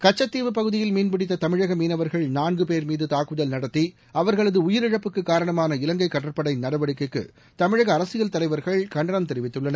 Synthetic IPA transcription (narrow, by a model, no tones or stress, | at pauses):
kɐt͡ʃːɐt̪ːiːʋɯpɐɣɯðɪjɪlmiːnpɪɽɪt̪ːɐt̪ɐmɪɻɐɣɐmiːnɐʋɐɾɣɐɭnaːnɡɯpeːɾmiːðɯt̪aːkɯðɐlnɐɽɐt̪ːi | ɐʋɐɾɣɐɭɐðɯʊjɪɾɪɻɐpːɯkːɯkːaːɾɐɳɐmaːnɐɪlɐŋɡɐɪkːɐʈːɐɾpɐɽɐɪnɐɽɐʋɐɽɪkːɯkːɯ̰ | t̪ɐmɪɻɐɣɐːɾɐsɪjɐlt̪ɐlɐɪʋɐɾɣɐɭkɐɳɖɐɾɐmt̪ɛɾɪʋɪt̪ːɯɭːɐnɐ